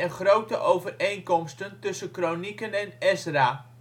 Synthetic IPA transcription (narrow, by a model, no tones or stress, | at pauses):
ɛnχrowtəʔowvərejnkɔmstəntɵsənkronikənɛnɛsraː